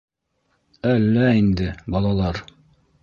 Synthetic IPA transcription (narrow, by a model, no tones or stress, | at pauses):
ælːæind̪ɘbɑlˠɑlˠɑɾ